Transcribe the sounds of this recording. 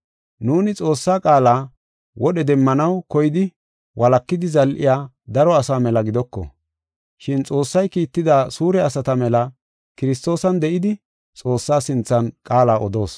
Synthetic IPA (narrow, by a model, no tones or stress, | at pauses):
nuːnɪt͡sʼo̞ːsːaːkʼaːlaː | wɔɗɛd̪ɛmːɐnɐwkɔjɪd̪ɪ | wʔɐlɐkːɪd̪ɪzɐlʔɪ̰jaː | d̪ɐɾɔɐsaːmɛlɐɡɪd̪ɔkːɔ̰ | ʃɪnt͡sʼo̞ːsːɐjkiːt̪ːɪd̪aːsuːɾɛɐsɐt̪ɐmɛlɐ | kɪɾɪs̬t̪o̞ːsɐnd̪ɛʔɪd̪ɪ | t͡sʼo̞ːsːaːsɪnt͡sːɐnkʼaːlaːʔɔd̪o̞̰ːs